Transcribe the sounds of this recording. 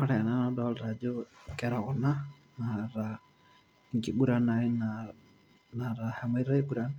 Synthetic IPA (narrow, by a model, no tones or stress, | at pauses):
ɔɾɛananɔdɔlɾad͡ʒɔkɛɾɔɣɔna | naɾa | ŋkibuɾanaina | naɾahamaiɾaibuɾan